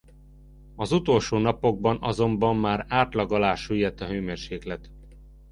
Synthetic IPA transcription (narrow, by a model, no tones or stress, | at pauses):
ɒzut̪o̞lʃoːnɒpo̞ɡ̚bɒnɒzo̞mbɒmːaːɾaːt̪lɒɡɒlaːʃyjɛt̪ːɒɦøːmeːrʃeːklɛt̪